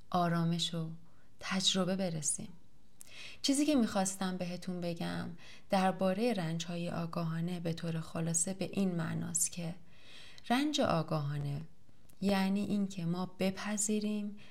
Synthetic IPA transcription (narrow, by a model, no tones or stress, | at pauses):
ʔɒːɾɒːme̞ʃo | t̪ʰæd͡ʒɾo̞be̞be̞ɾesḭːm | t͡ʃʰiːziːcʰe̞miːxɒːst̪æmbe̞ɦe̞t̪ʰunbe̞ɟæm | d̪̥æɾbɒːɾe̞je̞ɾænd͡ʒhɒːjeʔɒːɡɒːɦɒːne̞be̞t̪ʰoːɾe̞xolɒːse̞be̞ʔiːnmæ̰ʔnɒ̰ːst̪cʰe̞ | ɾænd͡ʒe̞̰ʔɒːɡɒːɦɒːne̞ | jæʔniːʔiːncʰe̞mɒːb̥e̞pʰæziːɾiːm